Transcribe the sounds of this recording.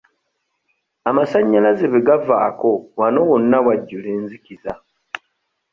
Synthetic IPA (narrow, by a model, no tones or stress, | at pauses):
amasaɲːalazeβiɡava̰ːko̞wano̞wonːawaɟːule̞ːnziciza